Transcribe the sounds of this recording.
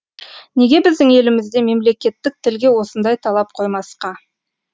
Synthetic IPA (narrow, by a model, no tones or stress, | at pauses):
ne̞ɡʲe̞bɪzd̪ɪŋe̞lɪmɪzd̪e̞me̞mle̞kʲe̞t̪ːɪk̚t̪ʰɪlɡʲe̞wo̞sənd̪ɑjt̪ʰɑlˠɑp̚qʰo̞jmɑsqɑ